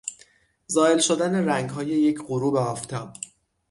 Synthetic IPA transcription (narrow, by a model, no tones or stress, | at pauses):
zɒːe̞lʃo̞d̪æne̞ɾæŋɡɦɒːje̞jecʰɢoɾuːbeɒːft̪ʰɒːb